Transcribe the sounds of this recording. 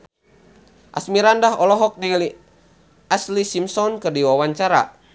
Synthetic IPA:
ʔa̰smiɾandaɦɔlɔɦɔk̚nɛli | aslisimsɔnkɨrdiwawaɲt͡ʃaɾa̰

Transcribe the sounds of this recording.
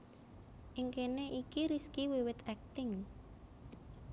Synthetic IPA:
ʔɪŋkeneʔikiɾiskiwiwɪt̪ɛk̚t̪ɪŋ

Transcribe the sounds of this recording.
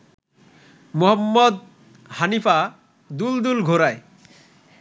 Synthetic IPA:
moɦɔmːɔd̪̚ | hanifa | d̪uld̪ulɡʱoɾae

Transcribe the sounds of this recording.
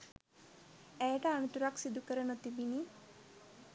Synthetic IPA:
æjəʈəanət̪uɾaksid̪ukəɾənut̪ibini

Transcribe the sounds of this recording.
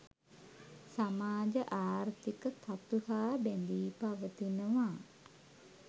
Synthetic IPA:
samaːd͡ʒəʔaːrt̪ikət̪ʰat̪uhaːbɛnd̪iːpaʋət̪inəʋaː

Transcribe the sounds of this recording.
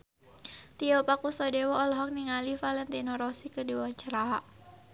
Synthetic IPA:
t̪iɔpakusɔdewɔːlɔɦɔk̚niŋalifalɛnt̪inɔɾɔsikədiwaaɲt͡ʃəɾaɦaʔ

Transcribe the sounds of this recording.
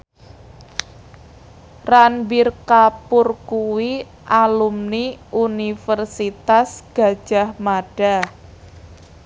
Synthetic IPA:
ranbirkapʊrkuwi | ʔalumniunifərsit̪asɡ̥a̤d̥ʒ̥a̤hmaɖ̥a̤

